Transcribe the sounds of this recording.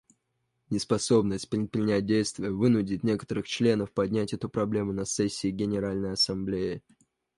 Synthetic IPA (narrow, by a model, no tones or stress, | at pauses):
nʲɪspɐso̞bnəsʲt̚ʲpɾʲɪt̪̚pɾʲɪnʲæt̚ʲdʲejst̪vʲɪjəvɨnʊdʲɪtʲnʲe̞kə̥t̪əɾɨxt͡ɕlʲe̞n̪əfpɐdʲnʲætʲɛt̪ʊpɾɐblʲe̞mʊnɐsɛsʲːɪːɡʲɪnʲɪɾalʲnəjɐsɐmblʲejɪ